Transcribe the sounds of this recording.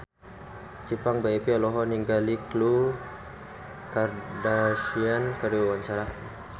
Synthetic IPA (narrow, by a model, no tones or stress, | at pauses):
t͡ʃipaŋbaepialɔɦɔniŋɡaliklu | kardasiankaɾiwwaɲt͡ʃaɾa